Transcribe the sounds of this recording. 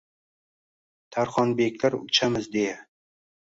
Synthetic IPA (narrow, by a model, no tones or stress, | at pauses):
t̪ʰaɾχɒnbe̞kʲlaɾʊ̰t͡ʃʰamɪzd̪eja